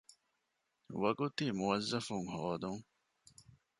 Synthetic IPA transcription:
ʋɐɡot̪imuɐzːɐfuŋhɔːd̪uŋ

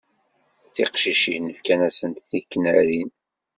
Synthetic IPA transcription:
θɪqʃiʃinəfkænæsənt̪θikːnæɾin

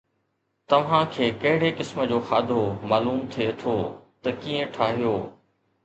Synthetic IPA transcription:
t̪ɐʋ̤ãkʰeːkɐɦɪɽ̤ekɪsmə̆d͡ʑoːxaːd̪ʱomaːluːmt̪ʰiet̪ʰoːt̪ɐkiːə̃ʈʰaːɦijoː

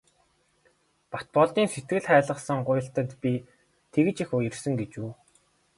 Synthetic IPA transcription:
pḁt̪̚pɔɮt̪iːnset̪ɡɘ̆ɮχæːɮə̆qsə̆ŋɢʊjɪ̆ɬt̪ə̆nt̪pʲi | t̪ʰeɣɘ̆t͡ɕixʊjirsɘ̆ŋɡet͡ɕuː

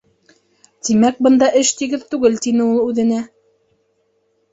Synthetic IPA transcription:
t̪imæk̚bɤ̆nd̪ɑʔɘʃt̪iɡɘðt̪ʉɡɘlt̪inɘulˠʉðɘ̆næ

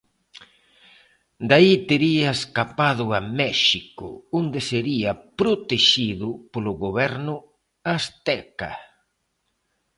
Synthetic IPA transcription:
d̪ait̪eɾiaeskapaðʊamɛʃikʊ̰ʊnd̪eseɾiɐpɾot̪eʃiðʊpolʊɣoβɛɾnʊ | ast̪ɛka̰

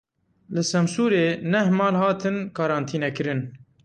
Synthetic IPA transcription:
lɨsɛmsuːɾeːnɛhmɑːlhɑːt̪ɨnkɑːɾɑːnt̪ʰiːnɛkɨɾɨn

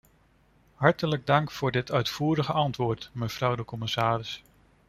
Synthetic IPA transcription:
ɦɑɹtələɡ̚dɑŋkfʊːɹdɪtʰœɥtfuːɾəχəɑntʋʊːɹtməv̥rʌwdəkɔmɪsaːɾɪs

